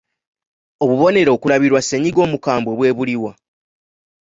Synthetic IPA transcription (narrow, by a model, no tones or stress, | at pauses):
o̞βuβo̞ne̞ɾo̞ːkulaβiɾwasːeɲiɡo̞ːmukaːmbweβwe̞ːβuliwa